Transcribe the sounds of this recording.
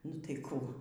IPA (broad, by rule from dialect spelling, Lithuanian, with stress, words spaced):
nʊ tɐɪ ˈkuː